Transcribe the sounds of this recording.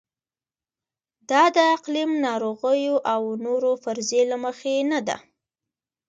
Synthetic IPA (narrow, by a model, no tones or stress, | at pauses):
d̪ɑd̪əaqlimnɑɾoɣəjoʔawnoɾofaɾzelaməxenad̪a̰